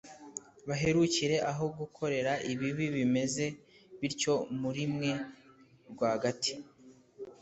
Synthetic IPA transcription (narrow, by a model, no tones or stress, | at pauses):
βaɦe̞ɾuciɾe̞ʔaɦo̞ɡukʰo̞ɾe̞ɾaʔiβiβiβime̞ze̞ | βiɾco̞muɾimŋe̞ | ɾɡwaːhaɡati̥